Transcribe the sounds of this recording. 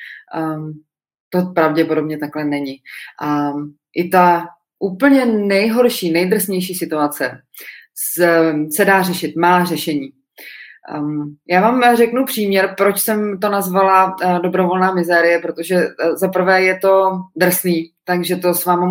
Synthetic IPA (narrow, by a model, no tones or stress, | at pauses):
t̪o̞pɾavɟɛpodo̞bɲɛt̪aklɛnɛɲɪʔa | ʔɪt̪a | ʔuːpl̩ɲɛnɛjɦo̞ɾʃiːnɛjd̪r̩sɲɛjʃiːsɪt̪uat͡sɛ | sɛdaːr̝ɛʃɪt̪maːr̝ɛʃɛɲiː | jaːvaːmrɛknupr̝̥iːmɲɛɾpɾo̞t͡ʃsɛmt̪o̞nazvaladobɾo̞vo̞lnaːmɪzɛːɾɪjɛpɾot̪o̞ʒɛzapr̩vɛːjɛt̪o̞d̪r̩sniːt̪aɡʒɛt̪o̞svaːma